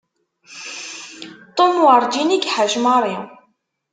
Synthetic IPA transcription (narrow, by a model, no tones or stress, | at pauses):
t̪ˤomwəɾˤd͡ʒiniɡħəʒmɑɾˤi